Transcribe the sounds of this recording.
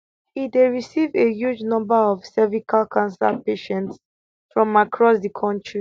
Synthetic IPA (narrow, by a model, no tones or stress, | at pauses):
ideɹisivejud͡ʒnɔ̃mbaɔv̥sɛvikʰalkʰãnsɛpeʃɛ̃nts | fɹɔ̃makʰɹɔsdikʰɔ̃ntɹi